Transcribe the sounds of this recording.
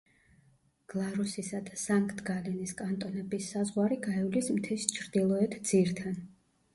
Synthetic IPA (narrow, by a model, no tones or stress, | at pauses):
ɡ̥lˠaɾusisad̪̥asaŋkʰʼt̪ʰɡaliniskʼant̪ʼɔnɛbisːazʁwaɾiɡaɛlismt̪ʰɛst͡ʃʰɾd̪ilˠɔɛt̪ʰd̪z̥iɾt̪ʰan